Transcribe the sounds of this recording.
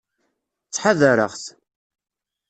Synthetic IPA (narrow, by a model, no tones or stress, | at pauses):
t͡sːħaðəɾəʁθ